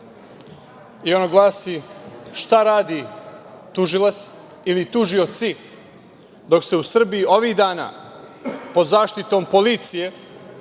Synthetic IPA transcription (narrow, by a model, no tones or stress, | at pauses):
io̞noɡlˠaːsiʃt̪aɾaːd̪i | t̪uʒilˠat̪s | ilit̪uʒio̞t̪si | d̪o̞kse̞usr̩bijio̞ʋiːɣd̪aːna̰ː | po̞d̪zaːʃt̪it̪o̞ːmpo̞lit̪sije